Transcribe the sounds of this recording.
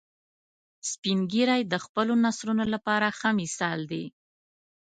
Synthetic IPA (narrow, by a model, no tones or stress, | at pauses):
spinɡiɾajd̪əxpəlonasɾunolapɑɾaxamisɑld̪i